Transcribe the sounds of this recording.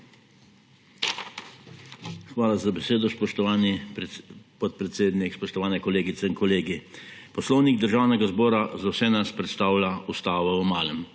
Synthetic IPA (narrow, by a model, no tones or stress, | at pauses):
xʋaːlazabɛseːd̪ɔspɔʃt̪ɔʋaːni | pɔt̪̚pɾɛt̪seːd̪nikspɔʃt̪ɔʋaːnɛkɔleːɡit̪sɛinkɔleːɡipɔslɔwniɡd̪əɾʒaːwnɛɡazbɔːɾazawsɛnaspɾɛt̪st̪aːwljaust̪aːʋɔumaːlɛm